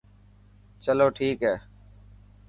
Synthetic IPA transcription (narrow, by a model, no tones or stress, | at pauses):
t͡ʃəloːʈʰiːkɦeː